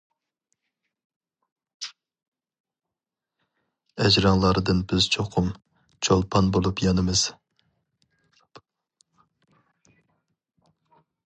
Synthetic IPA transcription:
ɛd͡ʒɾɑŋlˠɑɾɨd̪ɨnbɪz̥t͡ʃʰoqʰʊm | t͡ʃʰolˠpʰɑnbolˠupjɑnɨmɨz̥

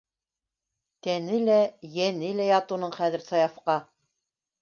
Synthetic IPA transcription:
t̪ænɘlæjænɘlæjɑt̪unɤɴχæðɘ̆ɾsɑjɑfqɑ

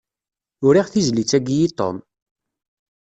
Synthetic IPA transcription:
ʊɾiʁθizlit͡sːæɡjit̪ˤo̰m

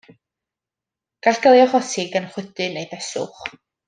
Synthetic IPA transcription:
ɡ̥aɬɡ̥əlˠjɔχɔsɪɡənχwɪdɨnejðɛsʊ̰χ

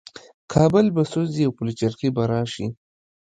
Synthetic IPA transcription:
kʰɑːbəlbasoziawpulit͡ʃaɾxibaɾɑːʃi

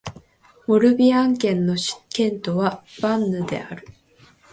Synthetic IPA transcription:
moɾɯ̟bʲiãŋkẽ̞nːo̞ɕi̥kẽ̞nt̪o̞βab̥ãnːɯ̟d̪e̞̰aɾɯ̟

